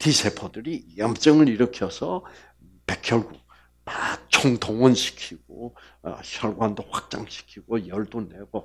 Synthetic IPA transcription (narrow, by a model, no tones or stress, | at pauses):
tisʰepʰodɯɾijʌmt͡ɕ͈ʌŋɯɾiɾʌkʰjʌsʰʌ | pekʰjʌɭɡuk̚ | mat͡ɕʰoŋtʰoŋʌnɕʰi̥kʰiɡ̥o̰ | ɕʰjʌɭɡwandoɸwak̚t͡ɕ͈a̰ŋɕʰi̥kʰiɡ̥ojʌɭdone̞ɡo